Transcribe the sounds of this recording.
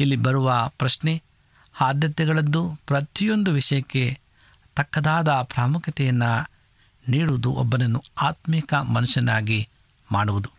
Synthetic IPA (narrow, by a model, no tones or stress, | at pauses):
ilːibɐɾuʋɐpɾɐʂne | haːd̪jɐt̪ɛɡɐɭɐd̪ːupɾɐt̪ijo̞nd̪uʋiʂɐjɐkːe̞ | t̪ɐkːɐd̪aːd̪ɐpɾaːmukʰjɐt̪ɛjɐnːɐ | niːɽuʋud̪uʔɔ̰bːɐnɐnːuaːt̪miːkɐmɐnuʂɐnaːɡi | maːɽuʋud̪u